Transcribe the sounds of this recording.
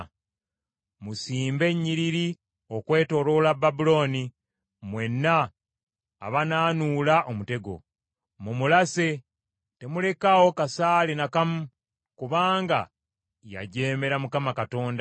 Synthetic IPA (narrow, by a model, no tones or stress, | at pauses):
musiːmbe̞ɲːiɾiɾi | okwe̞ːto̞ɾo̞lababulo̞ːni | mwe̞nːa̰ː | βanaːnulaʔomute̞ɡo̞̰ | mumulase̞ | te̞mule̞kawo̞kasaːlenakamu | kuβaːŋɡa̰ | ja̰ɟeːme̞ɾamukamakato̞ːnda